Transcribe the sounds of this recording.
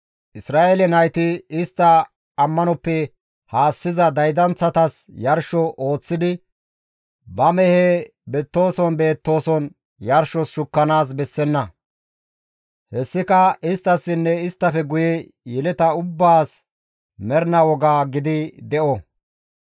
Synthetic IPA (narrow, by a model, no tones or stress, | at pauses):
ʔɪsɾaːʔelɛnɐjt̪ɪɪst̪ːɐː | mːɐnɔpːɛ | haːsːɪzɐd̪ɐjd̪ɐnt͡sːɐt̪ɐsjɐɾʃɔʔo̞ːt͡sːɪd̪ɪ | bɐmɛhɛbɛt̪ːo̞ːsɔnbe̞ːt̪ːo̞ːsɔn | jɐɾʃɔsʃʊkːɐnaːs̬bɛsːɛnːɐ | hɛsːɪkɐɪst̪ːɐsːɪnːɛɪst̪ːɐfɛɡʊjɛ | jɛlɛt̪ɐʊbːaːs | mɛɾnɐwɔɡaːɡɪd̪ɪd̪ɛʔɔ